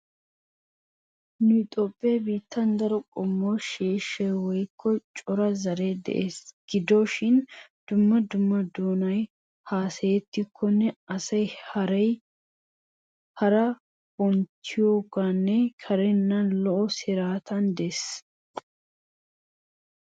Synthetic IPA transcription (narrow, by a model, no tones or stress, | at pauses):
nʊt̪ʼopʼːeːbiːt̪ːɐnd̪ɐɾɔkʼɔmːoʃeːʃːɐjwɔjkʰːɔt͡ʃʼɔɾɐzɐɾeːd̪ɛ̰ʔeːsɡ̥ɪd̪oʃɪnd̪̥ʊmːɐd̪ʊmːɐd̪oːnɐj | haːsɐjɛt̪ːɪkʰːɔnːɛɐsɐjhɐɾɐj | hɐɾɐ | wɔnt͡ʃːɪjoːɡanːɛkʰɐɾɛnːɐnlɔʔɔsɪɾaːt̪ɐnd̪es